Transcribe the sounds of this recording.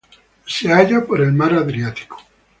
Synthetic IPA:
seaʎapoɾelmaɾaðɾjat̪i̥ko̥

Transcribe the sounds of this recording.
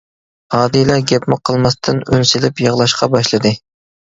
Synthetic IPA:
hɑːd̪ijlæɾɡʲɛpmɪqʰːəlˠmɑst̪ʰɨnønsɪlɪpjɑʁlˠɑʃqʰɑbɑʃlˠɨd̪ɨ

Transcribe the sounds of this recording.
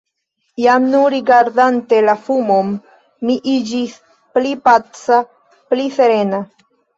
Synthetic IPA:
jamnuɾiɡaɾdante̞lafumomː | iʔid͡ʒis | plipat͡sa | plife̞ɾe̞na

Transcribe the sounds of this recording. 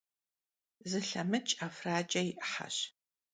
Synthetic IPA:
zɨɬɐmɨt͡ʃʼafraːd͡ʒʼɐjʔħa̰ɕ

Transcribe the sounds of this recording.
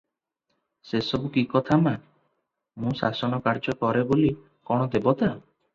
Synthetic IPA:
sesɔbukikɔt̪ʰama | mũsasɔñɔkaɾd͡ʒɔkɔɾeboli | kɔɽ̃ɔd̪ebɔt̪a

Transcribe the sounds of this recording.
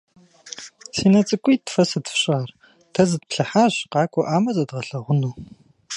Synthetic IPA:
siːnɐt͡sʼɨkʷʼiːtfɐsɨdfɕʼaːr | tʰɐzɨd̚pɬɐħaːʑqɑːkʷʼɔʔaːmɐzɐdʁɐɬɐʁʷʊnuː

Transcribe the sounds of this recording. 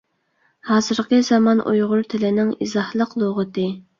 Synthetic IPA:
hɑːzɨɾqʰəzɑmɑnʔṵjʁʊɾt̪ʰɪlɪnɪŋizɑhlˠəqlˠoʁət̪ɨ

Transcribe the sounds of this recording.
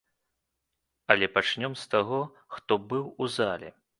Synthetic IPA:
ɐlʲɛpat͡ʂnʲɔmst̪aɣɔ | xt̪ɔbɨwuzalʲɛ̰

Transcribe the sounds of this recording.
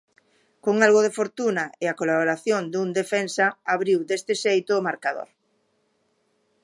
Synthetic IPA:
koŋalɣoðefoɾt̪unaɪakolaβoɾaθjond̪und̪efɛnsɐaβɾiwd̪est̪ɪʃejt̪ʊːmaɾkaðo̰ɾ

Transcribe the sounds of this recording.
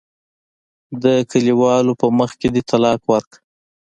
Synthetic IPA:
d̪əkəliwɑlopəməxked̪et̪ʰalɑkwaɾka

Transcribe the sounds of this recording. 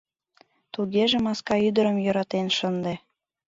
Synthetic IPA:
t̪uɣeʒĕmɑskɑyd̪əɾə̆mjŏɾɑt̪enʃənd̪e

